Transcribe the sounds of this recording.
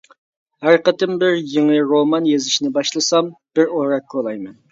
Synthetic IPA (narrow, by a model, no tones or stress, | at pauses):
hæɾqət̪ɪmbɪɾjeŋɨɾomɑnjezɪʃnɪbɑʃlˠɨsɑmb̥ɪɾoɾɑkːʰolˠɑjmɛn